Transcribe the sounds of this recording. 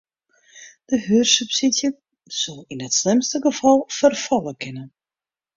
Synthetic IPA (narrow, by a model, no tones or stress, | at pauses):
d̥əɦyːrsypsisjə | sɔlˠinətslɪmstəɡəfɔlˠfərfɔlˠəkʰɪnə